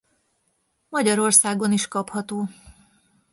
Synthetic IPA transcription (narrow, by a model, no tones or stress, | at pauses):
mɒɟɒɾo̞rsaːɡo̞niʃkɒphɒt̪oː